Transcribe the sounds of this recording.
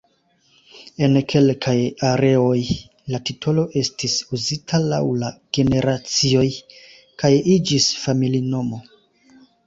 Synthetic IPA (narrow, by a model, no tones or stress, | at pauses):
e̞nkʰe̞lkʰajaɾe̞o̞j | latitʰo̞lo̞ʔe̞stisuzitʰala̰wlaɡ̥e̞ne̞ɾʔat͡sio̞j | kajid͡ʒisfamilino̞mo̞